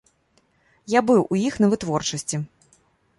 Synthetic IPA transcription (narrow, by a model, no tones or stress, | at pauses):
jabɨwʔujixnɐvɨt̪vɔrt͡ʂɐsʲt͡sʲi